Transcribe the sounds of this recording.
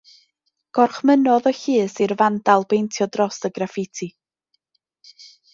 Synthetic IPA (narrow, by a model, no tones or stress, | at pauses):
ɡ̥ɔrχmənɔðɔçiːsirvandalˠbejntʰjɔdrɔsəɡrafɪtʰi